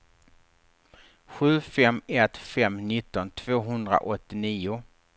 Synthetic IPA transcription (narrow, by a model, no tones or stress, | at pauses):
ɧʉ̟ːfɛmɛt̪fɛmnɪt̪ːɔnt̪ʰv̥oːɦɵnd̪ɾa̰ʔɔt̪ːɪniːʊ